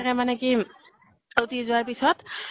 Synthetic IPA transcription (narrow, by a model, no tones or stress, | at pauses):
kɛmanɛki | otizʊaɹpisɔt